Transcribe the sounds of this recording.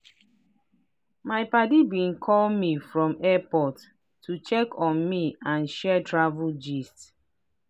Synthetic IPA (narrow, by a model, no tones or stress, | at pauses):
maɪpadibĩnkʰɔlmifɹɔ̃mɛpɔtː | ut͡ʃɛkʰɔ̃nmiãnʃɛtʰɹavud͡ʒist